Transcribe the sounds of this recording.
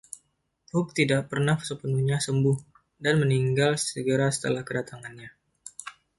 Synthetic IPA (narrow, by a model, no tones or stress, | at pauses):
ʊk̚t̪idaʔ̚pərnahsəpənuhɲasəmbʊh | danməniŋɡalssəɡəɾasə̥t̪əlahkədat̪aŋanɲa